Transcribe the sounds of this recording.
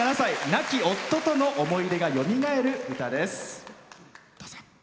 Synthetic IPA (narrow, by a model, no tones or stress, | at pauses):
nasainakʲio̞t̪ːo̞t̪o̞no̞ʔomo̞iɾe̞ɡajo̞mʲiŋae̞ɾɯ̟ɡɯ̟t̪ad̪e̞sɨ̥